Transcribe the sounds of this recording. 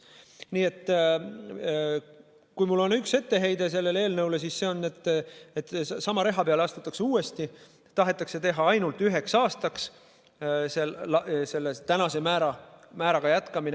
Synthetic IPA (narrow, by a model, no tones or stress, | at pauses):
niːe̞t̪ːˑ | kujmulːo̞nykse̞t̪ːe̞ɦe̞jd̪̥e̞s̬e̞lːe̞leːlnɤwles̬isse̞o̞nːet̪ːˑet̪ːsɑmɑɾe̞ɦɑpeɑleɑst̪ut̪ːˑɑkseuːe̞st̪i | t̪ɑɦe̞t̪ːˑɑkse̞t̪e̞ɦɑɑjnult̪yɦe̞ksɑːst̪ɑks | selse̞lːet̪ænɑse̞mæːɾɑmæːɾɑɡ̥ɑjæt̪kɑmine